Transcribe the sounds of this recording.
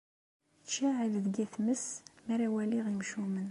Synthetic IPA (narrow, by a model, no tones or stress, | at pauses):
t͡ʃːaʕilðɡiθməsmæɾæwæliʁimʃumən